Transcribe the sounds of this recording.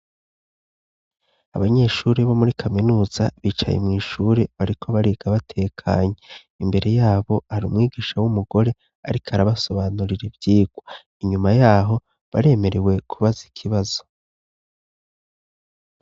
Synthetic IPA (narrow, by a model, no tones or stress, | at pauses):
aβaɲe̞ʃuːɾeβo̞muɾikʰaminuːz̥aβiːt͡ʃa̰jḛmŋiːʃuːɾe̞βaɾikʰo̞βaɾiɡ̥aβatʰe̞ːkʰa̰ːɲe | imbe̞ɾe̞jaːβo̞haɾuːmŋiːɡiːʃawumuɡo̞ɾe̞ | a̰ɾikaɾaβaso̞βanuɾiɾebjiːɡ̥wa | iɲumajaːɦo̞ | βa̰ɾe̞ːme̞ɾe̞we̞kʰuβazikʰiβazo̞̥